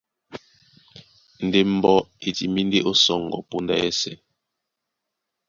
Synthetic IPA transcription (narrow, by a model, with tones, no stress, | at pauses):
n̩˨de˦m̩˦bɔ˦e˨ti˨mi˦nde˦ʔo˦sɔ˦˨ŋ˨ɡɔ̰˨po˦nda̰˦jɛ˦sɛ˨